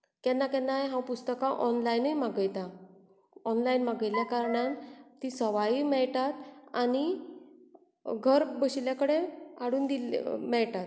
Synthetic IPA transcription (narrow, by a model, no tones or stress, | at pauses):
kjanːakanːajɦãpust̪əkãʔɔnlainəjmaɡəjt̪a | ɔnlainmaɡəjljakaɾɳant̪isəʋajimɛɭʈat̪ani | ɡʱəɾbəɕiljakəɽeaɽuːnd̪ilmɛɭʈat̪